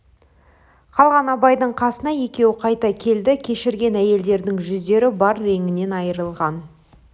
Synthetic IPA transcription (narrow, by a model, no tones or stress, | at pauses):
qʰɑlˠʁɑnɑbɑjd̪əɴqʰɑsənɑje̞kʲe̞wɪqʰɑjt̪ɑkʲʰe̞ld̪ɪkʲʰe̞ʃɪɾɡʲe̞næje̞ld̪e̞ɾd̪ɪŋʒʏzd̪e̞ɾɪbɑɾːe̞ŋʲɪne̞nɑjəɾəlˠʁɑn